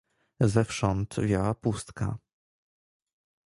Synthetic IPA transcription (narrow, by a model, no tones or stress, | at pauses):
zɛfʂɔnt̪vʲjawapust̪ka̰